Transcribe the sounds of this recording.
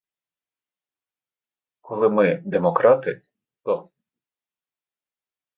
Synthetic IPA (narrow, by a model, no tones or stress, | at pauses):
kɔlˠɪmɪd̪ɛmɔkɾɑt̪ɪ | t̪ɔ